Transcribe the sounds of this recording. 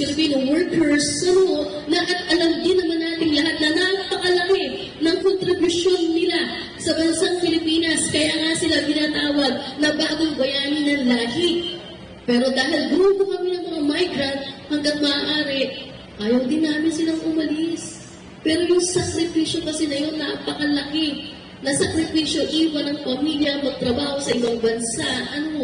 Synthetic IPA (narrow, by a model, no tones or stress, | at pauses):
sɪɾminoŋwɛɹkɛɹsɐno | nɐʔɐt̪ʔɐlɐmd̪ɪnːɐmanːaːt̪ɪŋlɐɦat̪̚nɐnɐɡ̚pɐkɐlɐkɛ | nɐŋkont̪ɾɪbjʊʃjo̞nːɪla | sɐbɐnsaŋpɪlɪpiːnɐskɐjaːŋasɪlakɪnaːt̪aːwɐd̪̚nɐbaːɡoŋbɐjaːnɪnɐŋlaːɡɪ | pɛːɾo̞d̪aːɦɪld̪uʊɡokɐmɪnɐŋmɐŋamajɡɾɐnt̪̚hɐŋɡɐŋmɐʔaːʔaːɾɪʔ | ʔaːjɐwd̪ɪnːaːmɪnsɪlaŋʔʊmɐlɪs | pɛːɾojʊŋsɐkɾɪpiːʃjo̞kɐsɛnɐjo̞nːapɐkɐlɐkɪ | nɐsɐkɾɪpiːʃjo̞ʔiːwɐnɐŋpɐmiljɐmɐɡ̚t̪ɾɐbaːho̞sɐʔɪbɐŋbɐnsaʔɐno̞